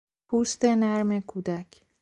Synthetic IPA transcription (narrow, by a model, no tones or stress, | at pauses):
pʰuːst̪e̞næɾmekʰuːd̪æcʰ